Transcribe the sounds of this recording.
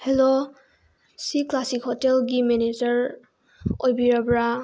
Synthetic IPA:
helo | siklasikhɔtelɡiminid͡ʒəɹ | ojbiɹabɹa

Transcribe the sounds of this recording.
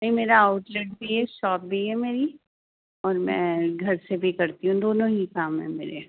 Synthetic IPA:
ĩmeːɾaːʊʈleːʈ̚bʱiɦɛʃɔːp̚bʱiɦɛmeːɾi | ɔːɾmɛ̰̃ːɡʱɐɾsebʱikɐɾt̪iɦũd̪oːnõɦikaːmɦɛ̰̃meːɾe

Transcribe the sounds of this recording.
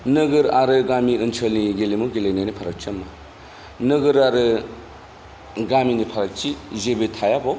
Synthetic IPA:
nɯɡɯɾaɾɯɡamiɯnt͡ʃʰɐlniɡelimuɡelenianipʰaɾɐk̚t͡ʃɐma | nɯɡɯɾaɾɯ | ɡaminipʰaɾɐk̚t͡ʃizebɯtʰajabɔ

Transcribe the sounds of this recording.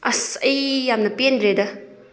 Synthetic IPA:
ʔɐsɐjjamnɐpendɾedɐ

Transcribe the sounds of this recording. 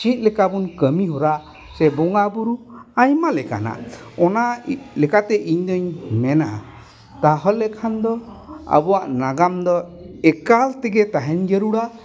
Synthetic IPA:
t͡ʃit̪̚ˀlɛkabunkəmiɦɔɾa | sɛbɔŋabuɾuajmalɛka̰na̰ | ɔnalɛkat̪ɛʔiɲd̪ɔɲmɛna | t̪aɦɔlɛkʰand̪ɔa̰bɔaʔnaɡamd̪ɔɛkalt̪ɛɡɛt̪aɦɛɲd͡ʒəɾuɽa

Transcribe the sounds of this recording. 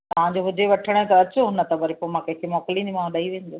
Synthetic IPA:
t̪ɐʋ̤ãɲd͡ʑoɦʊd͡ʑeʋɐʈʰəɽ̃t̪ɐɐt͡ɕʊɦʊnət̪ɐbɐɾipomãkɐ̃ɦɪ̃kʰemɔːkɪlĩnimãɗaiʋẽːnd̪oː

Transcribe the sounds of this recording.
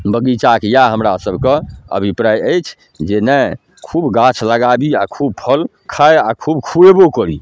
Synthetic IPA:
bəɡit͡ʃakjaɦəmɾasəbʱkeə̰bʱipɾajəjt͡ʃʰ | d͡ʒenɛ | kʰubɡãt͡ʃʰləɡabiakʰub̚pʰəl | kʰajakʰubkʰuebokəɾi

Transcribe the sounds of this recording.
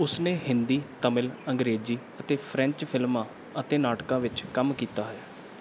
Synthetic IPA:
ʊsnẽːɦɪnd̪iːt̪əmɪləŋɡɾeːziː | ət̪eːpʰɾɛ̃ɲt͡ʃpʰɪlmãː | ət̪eːnaːʈkãːʋɪt͡ʃkəmkiːt̪aːɦɛaː

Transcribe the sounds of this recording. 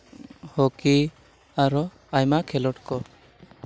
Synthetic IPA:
hoki | aɾɔ | ajmakʰɛlɔʈkɔ

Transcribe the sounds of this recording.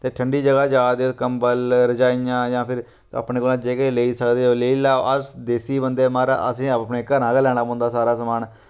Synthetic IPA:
t̪eːʈʰəɳɖiːd͡ʒəɡaːd͡ʒaːd̪ekəmbəlɾəd͡ʒaːijãːjãːpʰɪɾ | ə̰ːpneːkoːlãːd͡ʒeːkeleiːsəkd̪eːoːleiːlaːo̰ʔəsd̪eːsiːbənd̪eːmaːɾa̰ːʔəsĩːəpneːkəɾãːkelɛːɽ̃aːbõnd̪aːsaːɾaːsəmaːn

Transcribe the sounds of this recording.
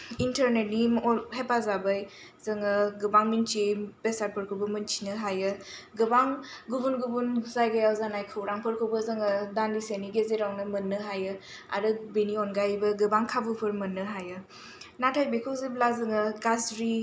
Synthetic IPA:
intʰəɾnet̚niɦepazabaj | zɐŋɯɡɯbaŋmint͡ʃibesat̚pʰɯɾkʰɯbɐmɯnt͡ʃʰi̥nɯɦajɯɡɯbaŋɡubunɡubunzajɡajawzanajkʰɯwɾaŋpʰɯɾkʰɯwbəzɯŋɯdandiseniɡezeɾawnɯmɯnːɯɦajɯ | a̰ɾɯbeniɔnɡajbɯɡɯbaŋkʰabupʰɯɾmɐnːɯɦajɯ | natʰajbekʰɯwziblazɯŋɯɡazɾi

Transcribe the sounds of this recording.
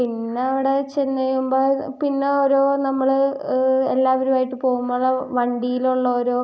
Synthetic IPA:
pinːeɐʋiɽe̞t͡ɕenːɐjumboːpinːe̞oɾoːnɐmːɐɭ | elːaːʋɐɾumaːjiʈːɨpo̞ːɣumːoɭːɐʋɐɳɖijiluɭːɐoɾoː

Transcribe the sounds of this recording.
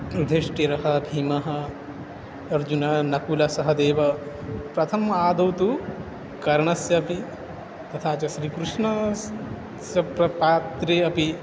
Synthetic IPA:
ɾud̪ʱeʂʈiɾɐɦɐbʱiːmɐɦɐ | ɐɾd͡ʒunɐnɐkulɐsɐɦɐd̪eːʋɐ | pɾɐt̪ʰɐmaːd̪ɐwt̪u | kɐɾɐɳɐsjɐːpi | t̪ɐt̪ʰaːt͡ʃɐʃɾiːkɾuʂɳɐ | sjɐpɾɐpaːt̪ɾeːɐpi

